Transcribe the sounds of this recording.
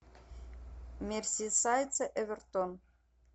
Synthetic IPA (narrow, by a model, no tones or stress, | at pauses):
mʲersʲisɑjt͡sĕʔeβʲɘ̆rt̪on